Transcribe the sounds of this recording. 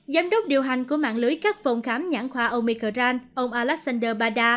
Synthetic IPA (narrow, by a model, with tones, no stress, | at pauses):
zaː˨˦mɗə˦˥wk͡p̚ɗi˨˩əwɦa˨˩jŋ̟ku˧˩əma̰ː˧˨ŋlɨ˨˦jkaː˦˥k̚fɔ˨˩wŋ͡mxaː˨˦mɲaː˧˩ŋxwaː˧ʔo˧mi˧kəː˧zaː˧nʔə˧wŋ͡mʔaː˧lɛ˦˥k̚sa˧nɗəː˧ɓaː˧ɗaː˧